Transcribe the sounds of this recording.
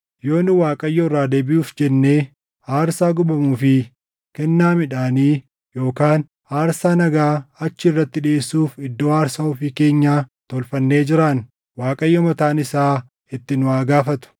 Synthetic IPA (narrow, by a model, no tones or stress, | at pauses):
jo̞ːnɪwaːkʼɐjːɔrːaːd̪eːbɪʔuːfd͡ʒɛnːeː | aːɾsaːɡʊbɐmuːfɪ | kɛnːaːmɪᶑaːniː | jo̞ːkaːn | aːɾsaːnɐɡaːɐt͡ʃːɪɪrːɐt̪ːɪᶑɪeːsːuːfɪd̪ːo̞ːaːɾsɐʊfɪke̞ːɲːaːt̪ɔlfɐnːe̞ːd͡ʒɪɾaːn | waːkʼɐjːɔmɐt̪aːnɪsaː | ɪt̪ːɪnʊaːɡaːfɐt̪ʊ̥